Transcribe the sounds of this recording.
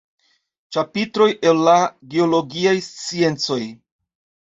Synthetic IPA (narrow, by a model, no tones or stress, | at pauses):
t͡ʃapitɾo̞jʔe̞lːaɡeo̞lo̞ɡiajst͡sie̞nt͡so̞j